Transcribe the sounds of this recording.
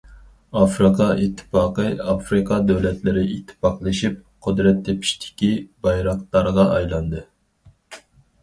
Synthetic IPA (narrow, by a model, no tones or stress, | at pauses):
ɑfɾɨqʰɑit̪ʰːɨ̥pɑːqəɑfɾɨqʰɑd̪ɛwlɛt̪ʰlɪɾɪit̪ʰːɨ̥pɑqlˠɨʃip̚qʰʊd̪ɾɛt̪ʰːepʰi̥ʃt̪ʰɪ̥kʲibɑjɾɑq̚t̪ɑɾʁɑʔɑjlˠɑnd̪ɨ